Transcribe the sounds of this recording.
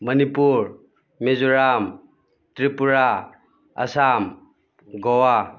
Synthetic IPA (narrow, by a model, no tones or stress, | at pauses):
mɐnipuɾ | mezuɾam | tɾipuɾa | ə̰sam | ɡɔwa